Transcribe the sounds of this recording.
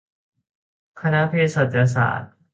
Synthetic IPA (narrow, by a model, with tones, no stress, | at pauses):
kʰa˧na˦˥pʰe˧so˨˩t̪̚ja˧s̬a̰ː˩˦t̪̚